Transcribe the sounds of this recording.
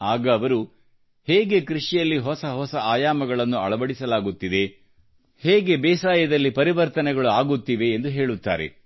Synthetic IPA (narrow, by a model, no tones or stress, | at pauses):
aːɡɐːʋɐɾu | heːɡe̞kɾiʂijɐlːiɦɔsɐɦɔsɐaːjaːmɐɡɐɭɐnːuɐ̰ɭɐbɐɽisɐlaːɡut̪ːid̪e̞ | heːɡe̞bɛːsaːjɐd̪ɐlːipɐɾiʋɐɾt̪ɐnɛɡɐɭuaːɡut̪ːiʋe̞ːnd̪uɦe̞ːɭut̪ːa̰ːɾḛ